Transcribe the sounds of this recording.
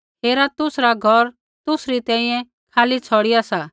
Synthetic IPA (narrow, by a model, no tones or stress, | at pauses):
ɦeːɾat̪ʊsɾaɡʱɔɾ | t̪ʊsɾit̪ɛ̃ːĩjɛ̃ | kʰaːlit͡sʰɔːɽɪjasa